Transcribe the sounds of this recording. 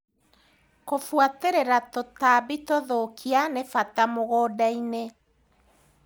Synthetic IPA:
kofwateɾeɾatotabitoðokʰianefatamoɣɔːdaine

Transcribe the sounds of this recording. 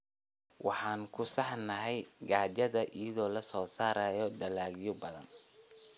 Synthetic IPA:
wɑ̰ħɑːŋkʰʊsɑħnɐɦɛjɡaːt͡ʃɐðɐʔiːɐðɔːlɐsɔːsaːɾaːjɔɖɐlaːɣɪjɔbɐðɐ̰n

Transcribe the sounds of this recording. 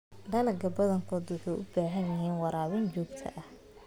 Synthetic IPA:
ɖɐlɐɡɐbɐðɐŋkʰɔːd̪wʊħɑjʔʊbaːɦɐnjɪɦiːnwɑɾaːwɪnt͡ʃɔːɡt̪ʰɐ̰ʔɐh

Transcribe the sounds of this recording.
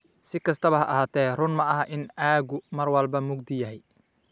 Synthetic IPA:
sɪkʰɐst̪ʰɐβɐɦɐʔɐɦaːt̪ʰɛːrʊnmɐɐɦɐʔɪnaːɣʊmɐrwɐlbɐmʊɡd̪ɪjɐɦɛj

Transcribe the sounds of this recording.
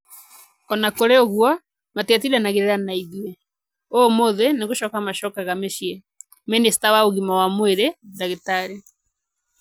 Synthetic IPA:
ɔnakoɾeoɣwɔ | matat̬iɾanaɣeɾeɾanaiðiɛ | omoðeneɣoʃɔkamaʃɔkaɣameʃiɛ | menestawaoɣimawamweɾeðaɣetaɾe

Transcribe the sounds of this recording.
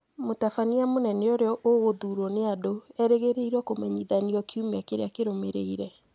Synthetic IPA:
motafaniamonɛnɛoɾeɔʔoɣoðuːɾɔneadoɛɾeɣeɾeiɾɔkomɛɲiðaniɔkʰumakeɾḛakeɾomeɾeiɾɛ

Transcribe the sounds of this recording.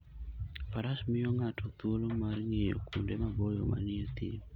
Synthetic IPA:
paɾasmɪjoŋatʰot̪wolomarŋejo̰kundemabɔjɔma̰nɪet̪ḭ

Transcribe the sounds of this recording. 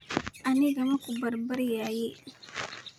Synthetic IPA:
ʔaniɡamakubɐɾbɐɾjaje

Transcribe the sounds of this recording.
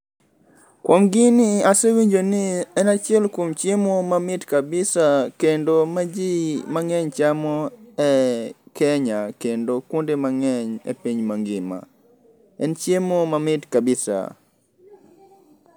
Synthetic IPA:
kwomɡɪnɪasɛwiɲd͡ʒonɪɛnat͡ʃjɛlkomt͡ʃjemomamɪtkabɪsakendomad͡ʒimaŋɛɲt͡ʃamɔɛkɛɲakendokondemaŋɛɲɛ̰piɲmaŋɡɪma̰ | ɛnt͡ʃjemomamɪtkabɪsa̰

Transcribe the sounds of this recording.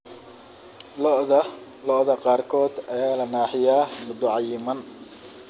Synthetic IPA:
lɔʔðɐ | lɔʔðɐqɑːrkʰɔːd̪ɐɛjaːlɐnaːħɪjaːmʊd̪ʊʕɑjɪmɐn

